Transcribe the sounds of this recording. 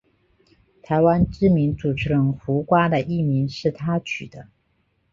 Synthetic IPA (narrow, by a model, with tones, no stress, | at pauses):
t̪ʰa˧˥ɪwa˥nʈ͡ʂɻ̩˥mi˧˥nt͡su˨˩ʈ͡ʂɻ̩˧˥lə˧˥ŋxu˧˥kwa˥d̪ə˨ʔi˥˩mi˧˥nʂɻ̩˥˩t̪ʰa˥t͡ɕʰy˨˩d̪ə˦